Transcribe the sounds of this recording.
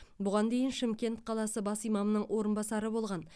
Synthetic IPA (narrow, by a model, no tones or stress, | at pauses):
bʊʁɑnd̪e̞jɪnʃɪmkʲe̞nt̪qʰɑlˠɑsəbɑsijmɑmənəɴwʔo̞ɾənbɑsɑɾəbo̞lˠʁɑn